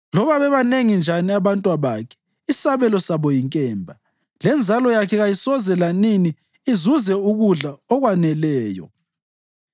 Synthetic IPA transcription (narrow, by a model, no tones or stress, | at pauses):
lɔβaβɛβaneŋind͡ʒʱaniaβantʼwaβaːkʰɛ̥ | isaβɛlɔsaβɔjiŋkʼɛːmbʱa | lɛnd͡zʱalɔjakʰɛɣajisɔzɛlaniniː | zuzɛuɣuɮaɔɣwanɛlɛːjɔ̰